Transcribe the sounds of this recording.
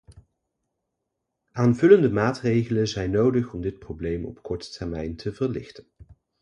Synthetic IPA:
ʔaːnvɵləndəmaːtrejχələzɛjnːowdəχɔmdɪt̚prowblejmɔ̰pkɔɹtə̥tʰɛɹmɛjntʰəvəɹlɪ̰χtən

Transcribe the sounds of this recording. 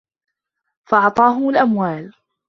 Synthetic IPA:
fɑʔɑʕt̪ˤɑːɦʊmʊlʔamwaːl

